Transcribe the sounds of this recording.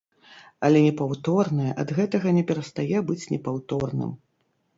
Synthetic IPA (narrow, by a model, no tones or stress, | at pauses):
ɐlʲɛnʲɛpawt̪ɔrnɐjɐʔɐd̪ɣɛt̪ɐɣɐnʲɛpʲɛɾɐst̪ajɛbɨt͡sʲnʲɛ̰pawt̪ɔrnɨ̰m